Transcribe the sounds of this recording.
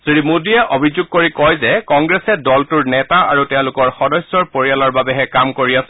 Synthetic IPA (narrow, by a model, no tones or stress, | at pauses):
sɹimudiɛʔobʱizʊɡ̚koɹikɔjzɛkɔŋɡɹɛsɛdɔltuɹnɛtaaɹutɛʊ̃lʊkɔɹxɔdɔsːɔɹpoɹijalɔɹbabɛɦɛkamkoɹiasɛ